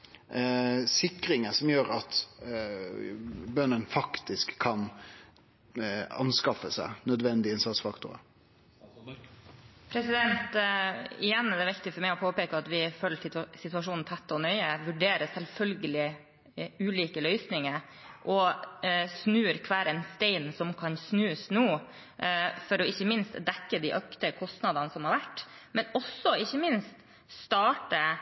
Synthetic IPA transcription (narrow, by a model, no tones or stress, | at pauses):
sɪkɾɪŋəsɔmjøːɾɑt̪ | bœnːənfɑkt̪ɪskʰːɑn | ɑ̰nskɑfəsæ̰ɪnœd̪ʋɛnd̪ɪɪnsɑt̪sfɑkt̪ʊɾə̰ | pʰɾɛsɪd̪ɛnt̪ | ɪjɛnːɛd̪ɛʋɪkt̪ɪfɔɾmæɪɔpʰoːpeːkəɑt̪ʋɪføːlːəsɪt̪ʉɑʂuːnn̩t̪ʰɛt̪ːɔnœʏəʋʉɖeːɾəsɛlfœlɡəlɪ | ʉːliːkəlœʏsnɪŋə | ʔɔ | snʉːɾkʰʋæːɾɛnst̪ɛɪnsɔmkʰɑnsnʉːsnuː | fɔɾɔɪçːəmɪnst̪d̪ɛkːəd̪ɪʔœkt̪əkʰɔst̪nɑd̪ɑnəsɔmhɑɾʋæʈːmɛnɔsːɔɪçːəmɪnst̪ | st̪ɑːʈə